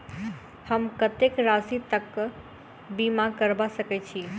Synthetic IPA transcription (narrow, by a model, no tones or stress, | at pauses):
həmkət̪ekɾasit̪əkː | bimakəɾbasəkɛt͡ʃʰi